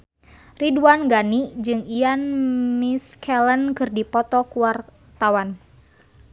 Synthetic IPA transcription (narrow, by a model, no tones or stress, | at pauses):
riduanɡanid͡ʒɨŋijanmiskʰɛlənkɨrdipɔt̪ɔkuwar | t̪awan